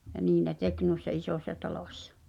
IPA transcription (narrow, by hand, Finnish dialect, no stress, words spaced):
jɑ niː ne tek nuˑisːɑ isoˑsʲsɑ tɑloˑsʲsɑ̥